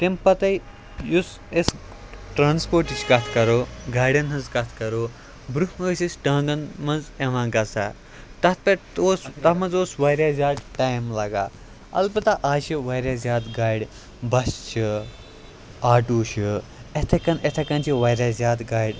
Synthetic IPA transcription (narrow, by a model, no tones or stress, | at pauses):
t̪impɐt̪ɐj | jus | es | ʈɾaːnspoːɾʈit͡ʃʰkɐt̪ʰkɐɾoːɡaːɽɐnɦɐnzkɐt̪ʰkɐɾoː | bɾuhmɐːsisʈɐ̃ːŋɡɐnmɐnzeʋãːɡɐsa̰ː | t̪ɐt̪̚ʰpet̪oːst̪ɐmɐnzoːsʋɐːɾjaːzʲaːɖʈaːjmlɐɡa̰ː | ɐ̰lbɐt̪aʔaːʃiʋɐːɾʲjaːzʲjaːd̪ɡaːjɽ | bɐst͡ʃʰi | aːʈuːʃiet̪ʰɐkɐnet̪ʰɐkɐnt͡ʃʰiʋɐjɾaːzʲjaːd̪ɡaːjɖʲ